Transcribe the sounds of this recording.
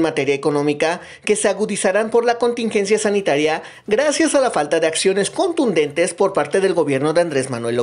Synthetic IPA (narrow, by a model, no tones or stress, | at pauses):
mat̪e̞ɾjaeko̞nõ̞mika | ke̞seaɣuðisaɾampo̞ɾlako̞nt̪iŋxe̞ns̬jasanit̪aɾja | ɣɾasjasalafalt̪aðe̞aksjo̞ne̞sko̞nt̪und̪e̞nt̪e̞spo̞ɾpaɾt̪e̞ð̞e̞lɣo̞βje̞ɾno̞ðeand̪ɾe̞zmanwe̞lo